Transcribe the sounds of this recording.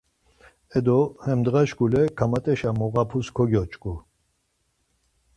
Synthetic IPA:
ɛd̪ɔhɛmd̪ɣaʃɡulɛkʰamat̪ʼɛʃamɔɣapʰuskʰɔɡjɔt͡ʃʼkʼu

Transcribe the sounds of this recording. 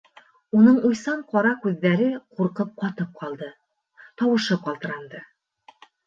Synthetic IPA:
unɤɴŏjsɑɴqɑɾɑkʉðːæɾɘquɾqɤp̚qɑt̪ɤp̚qʰɑlˠd̪ɤ | t̪ɒwɤ̆ʃɤqɑlˠt̪ɤ̆ɾɑnd̪ɤ

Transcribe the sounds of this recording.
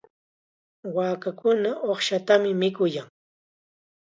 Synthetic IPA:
waːkakʊnaʔoχʃat̪amɪmɪkʊjaŋ

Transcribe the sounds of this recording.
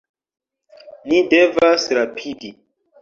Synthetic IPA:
nidevasɾapʰidi

